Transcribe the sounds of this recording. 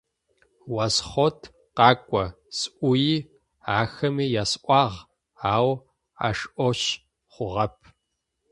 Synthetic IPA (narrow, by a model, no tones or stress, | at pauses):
wɐsχotʰ | qɑːkʷʼɔ | sʔʷʊjiː | aːxɐmiːjaːsʔʷɑːʁ | aːw | a̰ːʂʔʷɔɕ | χʷʊʁɐpʰ